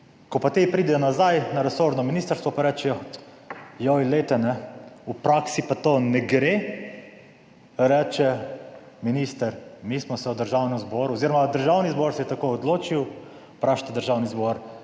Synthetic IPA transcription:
kɔpat̪epɾiːd̪ɛnazajnaɾɛsoɾd̪nɔminiːst̪əɾst̪ʋɔpaɾɛt͡ʃɛjɔ | jojilet̪ɛnɛupɾaksipat̪onɛɡɾe | ɾɛt͡ʃɛ | minist̪əɾmiːsmɔsɛwd̪əɾʒawnɛmzbɔɾuoziɾɔmad̪əɾʒawnizbɔɾsɛjt̪akoɔd̪loːt͡ʃiw | pɾaʃt̪ad̪əɾʒawnizbɔɾ

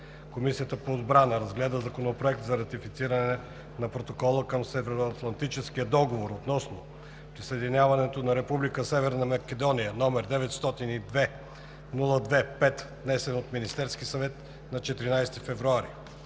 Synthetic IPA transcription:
komisiət̪əpoːd̪bɾanəɾɐzɡlɛd̪əzɐkonopɾoɛk̚t̪zɐɾɐt̪ifit̪siɾɐnɛ | nɐpɾot̪okɔlˠəkəmsɛvɛɾoɐt̪lˠɐnt̪it͡ʃɛsk̟iəd̪ɔɡovoɾot̪nɔsno | pɾisəɛd̪inʲavɐnɛt̪onɐɾɛpublikəsɛvɛɾnɐmɐkɛd̪ɔnijənɔmɛɾd̪ɛvɛt̪st̪ɔt̪inid̪vɛ | nulˠəd̪vɛpɛt̪d̪nɛsɛnot̪minist̪ɛɾskisɐvɛt̪ | nɐt͡ʃɛt̪ɾinajst̪ifɛvɾuaɾi

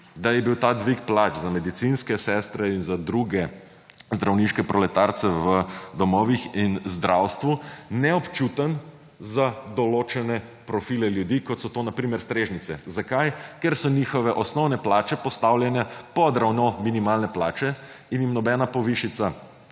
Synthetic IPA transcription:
d̪ajɛbiwt̪aːd̪ʋikplat͡ʃzamɛd̪it̪sinskɛsɛst̪ɾɛinzad̪ɾuɡɛ | zd̪ɾawniʃkɛpɾʔɔlɛt̪aɾt̪sɛʋəd̪ɔmɔʋixinzd̪ɾʔawst̪ʋunɛɔpt͡ʃut̪ən | zad̪ɔloːt͡ʃɛnɛ | pɾɔfilɛljud̪ikɔt̪sɔt̪oːnapɾimɛɾst̪ɾeːʒnit̪sɛzakajkɛɾsɔnixɔʋɛʔɔsnɔwnɛplaːt͡ʃɛpɔst̪awljanjapɔd̪ɾawnɔminimalnɛplaːt͡ʃɛ | injimnɔbɛnapɔʋiʃit̪sa

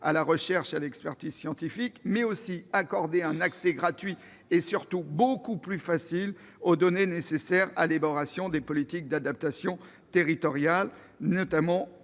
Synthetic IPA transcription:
a̰laʁəʃɛʁʃalɛkspɛʁt̪izsjɑ̃t̪ifikmɛosiakɔʁd̪eɛ̃naksɛɡʁat̪ɥi | esyʁt̪ubokuplyfasil | od̪ɔnenesesɛʁa̰lebɔʁasjɔ̃d̪epɔlit̪ik̚d̪ad̪ap̚t̪asjɔ̃ | t̪eʁit̪ɔʁjal | nɔt̪amɑ̃

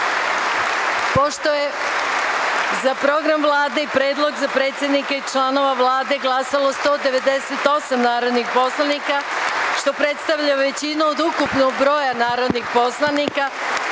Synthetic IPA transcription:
po̞ʃt̪o̞je | zapɾo̞ɡɾamʋlˠaːd̪e̞ipɾe̞ːd̪lˠo̞ɡzapɾe̞ːt̪sʲje̞d̪nikait͡ʃlˠano̞ʋaʋlˠaːd̪e̞ɡlˠasalˠo̞st̪o̞ːd̪e̞ʋe̞d̪e̞se̞t̪o̞samnaːɾod̪nixpo̞slˠanikaʃt̪o̞pɾe̞t̪st̪aʋʎaʋe̞t͡ɕinuod̪ukupnoɡ̚bɾo̞ːjanaːɾo̞d̪nixpo̞slˠanika

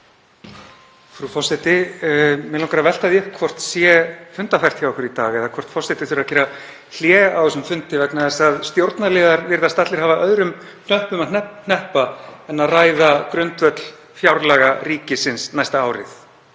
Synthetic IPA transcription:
fɾufɔsɛt̪ɪ | mɛlawŋkaɾavɛl̥t̪aðjʏhkʰvɔr̥t̪sjɛfʏnt̪afajr̥t̪çjawɔhkʏɾit̪aːɣɛðakʰvɔr̥t̪fɔrsɛt̪ɪθʏɾaðcɛɾa | l̥jɛːawɛsʏmfʏnt̪ɪvɛknaðɛsaðst̪jowɾt̪nalɛːɣaɾvɪɾðast̪at̪lɪɾ̥haːvaʔœðɾʏm | n̥œhpʏmanɛn̥ɛhpaɛnːaðraːjðakɾʏnt̪vœt̪l̥ | fjawɾlɛɣaɾiːcɪsɪnsnajst̪aaːwɾɪ̰θ

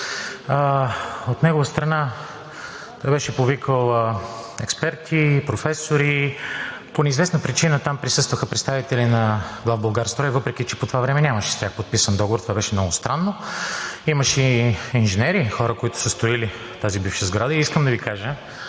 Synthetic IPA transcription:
əot̪nɛɡovəst̪ɾɐna | t̪ɔjbɛʃɛpovikəlˠɛkspɛɾt̪ʰipɾofɛsoɾi | ponɛizvɛsnəpɾit͡ʃinət̪ampɾisɤst̪vəxəpɾɛt̪st̪avit̪ɛlinɐɡlˠavbɐlˠɡaɾst̪ɾɔɛvɤpɾɛk̟it͡ʃɛpot̪ovavɾɛmɛnʲaməʃɛ̥st̪jaxpot̪̚pisənd̪ɔɡovoɾt̪ovabɛʃɛmnɔɡʊst̪ɾanːo | iməʃɛinʒɛnɛɾixɔɾəkoit̪ʊ̥səst̪oili | ft̪azibifʃəzɡɾad̪əiiskəmd̪ɐvikaʒə

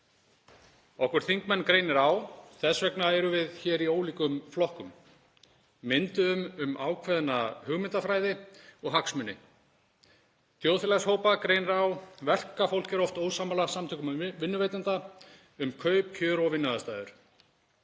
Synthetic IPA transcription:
ɔwhkʏɾ̥θiŋkmɛnːkɾejnɪɾawθɛsvɛknaɛɾʏvɪðçɛːɾioːwliːkʏmflɔhkʏm | ɪnt̪ʏʏmʏmaːwkʰvɛðnahʏɣmɪnt̪afɾaːjðɪɔɣɦaksmʏnːɪ̰ | θjowðfɪlɛshoːwpakɾejnɛɾawvɛl̥kafowl̥cɛɾɔft̪oːwsaːmalasamt̪ʰʏkʏmvɪnːʏveːjt̪ant̪a | ʏmkʰœɥp̚cʰœːɾɔvɪnːʏðast̪aːjðʏɾ̥

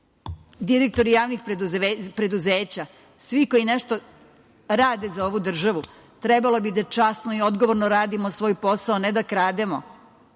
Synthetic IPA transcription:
d̪iɾek̚t̪o̞ɾijaːʋnixppɾe̞d̪uzeːt͡ɕa | sʋiko̞jineʃt̪o | ɾaːd̪e̞zao̞ʋud̪r̩ʒaʋu | t̪ɾebalo̞bid̪at͡ʃasnoio̞d̪ɡoʋo̞ɾnoɾaːd̪imosʋo̞ːjpo̞saoned̪akɾaːd̪emo

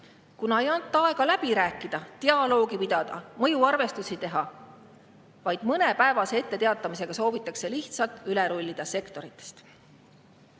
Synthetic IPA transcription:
kunɑejɑnt̪ːˑɑɑe̞ɡɑlæb̥iɾæːkːˑid̪̥ɑt̪eɑlo̞ːɡipid̪̥ɑd̪̥ɑ̰mɤjuɑrve̞st̪usit̪e̞ɦɑ | vɑjd̪̥mɤne̞pæe̞vɑsee̞t̪ːe̞t̪eɑt̪ːˑɑmise̞ɡ̥ɑso̞ːvit̪ːˑɑkse̞liht̪sɑlt̪ˑyleɾulʲːid̪̥ɑse̞kt̪o̞ɾit̪ːˑest̪

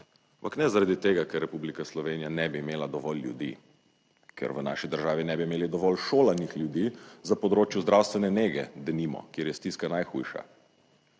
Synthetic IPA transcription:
ampaknɛzaɾad̪it̪eːɡakɛɾːɛpublikaslɔʋeːnijanɛbiːmeːlad̪ɔʋɔlːjṵd̪ḭ | kʰɛ̰ɾʋəna̰ʃid̪əɾʒaːʋinɛbimeːlid̪ɔʋɔlʃoːlanixlʲjud̪iːzapɔd̪ɾoːt͡ʃjuzd̪ɾawst̪ʋɛnɛneːɡɛd̪ɛnimɔ̰kjeːɾjɛst̪iskanajxṵjʃa̰

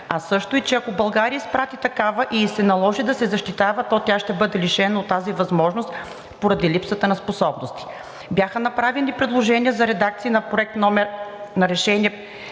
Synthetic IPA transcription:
ɐsɤʃt̪oit͡ʃɛɐkobɐlˠɡaɾiəispɾat̪it̪ɐkavəʔisɛnɐlˠɔʒid̪ɐsɛzɐʃt̪it̪avɐt̪ɔt̪ʲaʃt̪ɛbɤd̪ɛliʃɛnɐot̪ːazivɐzmɔʒnost̪ | poɾɐd̪ilipsət̪ənɐsposɔbnost̪i̥ | bjaxənɐpɾavɛnipɾɛd̪lˠoʒɛniəzɐɾɛd̪ak̚t̪siːnɐpɾoɛk̚t̪nɔmɛnɐɾɛʃɛniɛ

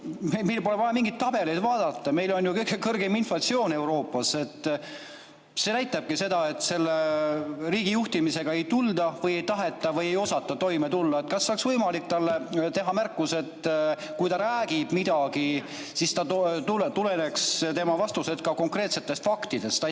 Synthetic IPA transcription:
memejlpo̞levɑjɑmiŋɡit̪̚t̪ːɑb̥e̞lijd̪vɑːd̪̥ɑt̪ˑːɑme̞jlo̞njukɤjkekɤrɡe̞minflɑt̪sio̞ːne̞uɾo̞ːpːˑɑse̞t̪ːˑ | se̞næjt̪ːˑɑb̥̚kise̞d̪̥ɑe̞t̪ːˑse̞lːeriːɡ̥ijuht̪imise̞ɡ̥ɑe̞jt̪uld̪ɑvɤje̞jt̪ɑɦe̞t̪ːˑɑvɤje̞jo̞sɑt̪ːˑɑt̪o̞jme̞t̪ulːɑe̞t̪kɑsːɑksvɤjmɑlikt̪ɑlːet̪e̞ɦɑmærkːˑuse̞t̪ː | kujt̪ɑɾæːɡ̥ib̥mid̪̥ɑɡ̥i | sist̪ɑt̪ult̪ulene̞kst̪e̞mɑvɑst̪use̞d̪kɑko̞ŋkre̞ːt̪set̪ːˑe̞st̪fɑkt̪id̪̥e̞st̪ɑ

